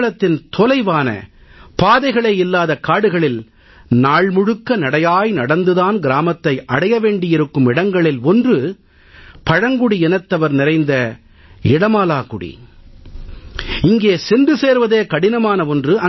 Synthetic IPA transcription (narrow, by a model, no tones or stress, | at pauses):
ɭɐt̪ːɪnt̪ɔlɐɪʋaːnɐ̰paːðɐɪɣɐɭɐɪlːaːðɐkːaːɽɯɣɐɭɪl | naːɭmʊɻɯkːɐnɐɽɐjaːjnɐɽɐnd̪ɯðaːnɡɪɾaːmɐt̪ːɐɪʔɐɽɐjɐʋeːɳɖɪjɪɾɯkːɯmɪɽɐŋɡɐɭɪlɔndrɯ | pɐɻɐŋɡʊɽiɛnɐt̪ːɐʋɐɾnɪɾɐɪnd̪ɐ | ɪɽɐmaːlaːkʊɽḭ | ɪŋɡeːsɪndrɯseːɾʋɐðeːkɐɽɪnɐmaːnɐɔndrɯʔɐ